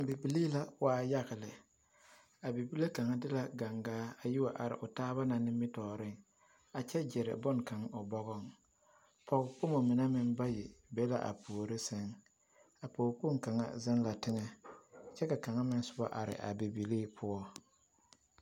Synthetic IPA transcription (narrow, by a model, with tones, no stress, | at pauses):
bi˨bi˨liː˦la˦waː˦ja˦ɣɪ˨lɪ˨ | a˨bi˨bi˦le˦ka˨ŋa˦dɪ˦la˦ɡa˨ŋɡaː˦a˨ji˦wa˨ʔa˨ɾɪ̰˨ʔʊ˨taː˦βa˦na˨nɪ˦mɪ˦tɔː˨ɾɪ˦˨ŋ | a˨t͡ʃɛ˦d͡ʒɪ˨ɾɪ̰˨bʊ˦ŋka˨ŋʊ˨bɔ˦ɣɔ˦˨ŋ | pʰɔ˨ɣʊ˨k͡pʊ˦mo˨mɪ˨na˦mɪ˦nba˦jɪ˨bɛ˦la̰˦ʔa̰˨puː˨o˨ɾɪ˦sɛ˦ŋ | a˨poː˨k͡pu˦ŋ˦ka˨ŋa̰˦zɪ˦nla˨tɪ˦ŋɛ˦t͡ʃɛ˦ka˨ka˨ŋa˦mɪ˦n˦sʊ˦ba̰˦ʔa˨ɾɪ̰˨ʔa̰˨bi˨bi˨liː˦pʰʊ˦ɔ˦